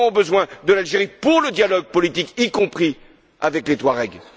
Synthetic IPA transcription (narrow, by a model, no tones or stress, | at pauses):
ɔ̃bəzwɛ̃d̪əlalʒeʁipuʁləd̪jalɔɡ̚pɔlit̪ikikɔ̃pχi | a̰vɛklet̪χwaʁɛɡl